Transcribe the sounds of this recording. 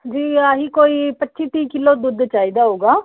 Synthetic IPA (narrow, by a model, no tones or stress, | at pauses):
d͡ʒiːaɦiːkoːiːpətːʃiːʈ̪iːkɪloːd̪ʊd̪t͡ʃaːiːd̪aːɦoːɡaː